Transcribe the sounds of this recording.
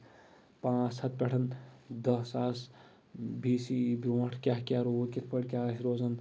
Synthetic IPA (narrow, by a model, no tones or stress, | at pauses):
pãːt͡ʃsʰɐt̪̚pʲeʈʰɐnd̪əsaːs | bʱiːsiboʈʰkʲaɦkʲaːɾokʲit̪ʰpəɽʲkʲaːsɾoːzən